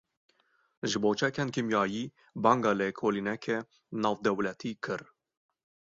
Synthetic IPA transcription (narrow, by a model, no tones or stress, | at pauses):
ʒɨboːt͡ʃʰɛkɛnkimjɑːjiː | bɑːŋɡɑːlekʰoːlinɛkʰɛ | nɑːvd̪ɛwlɛt̪ʰiːkʰɨɾ